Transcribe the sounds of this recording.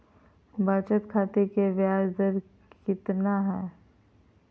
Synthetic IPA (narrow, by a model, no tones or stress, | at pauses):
baːt͡ʃət̪kʰaːt̪ekeʋjaːzəɾ | kɪt̪naɦɛː